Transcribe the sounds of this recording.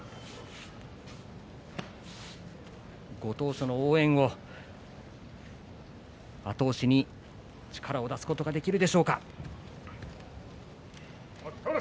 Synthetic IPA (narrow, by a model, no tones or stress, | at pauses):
ɡo̞t̪o̞ːɕono̞oːẽ̞ɰ̃o̞ | at̪o̞ːɕiɲ̟i | t͡ɕi̥kʰaɾao̞d̪asɨ̥ko̞t̪o̞ɡad̪e̞kʲiɾɯ̟d̪e̞ɕo̞ːka